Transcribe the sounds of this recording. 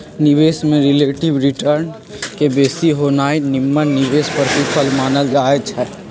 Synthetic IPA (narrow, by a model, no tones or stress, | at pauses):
nɪʋeːsmẽɾɪleːʈɪʋɾɪʈəɾn | kebeːsiɦoːnaːinɪmːənnɪʋeːspəɾbipʰəlmaːnəld͡ʒaːət͡ʃʰɛː